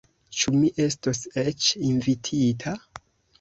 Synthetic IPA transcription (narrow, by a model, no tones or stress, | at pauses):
t͡ʃumiʔe̞stoset͡ʃinvitʰitʰa